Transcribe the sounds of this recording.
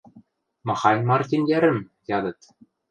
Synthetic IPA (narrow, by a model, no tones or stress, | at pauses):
mɑ̆χɑjnmɑrt̪ʲinjæɾɘ̆m | jɑd̪ɤ̆t̪